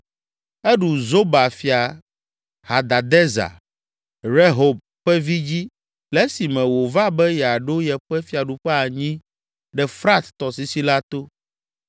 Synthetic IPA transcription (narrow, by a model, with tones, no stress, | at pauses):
ɛ˦ɖu˨zo˦ba˨fi˨a˨ | ha˨d̪a˨d̪ɛ˦za̰˨ | ɾe˦ɦo˨b̚ | ɸɛ˦vi˦d͡ʑi˦ | lɛ˦si˨mɛ̃˨wo˨va˦bɛ˦jɛ˨a˨ɖo˦jɛ˨ɸɛ˦fi˦a˨ɖu˨ɸɛ˦a˨ɲĩ˦ | ɖɛ˨fɾa˦t̪ːɔ˨si˨si˦la˦t̪o˦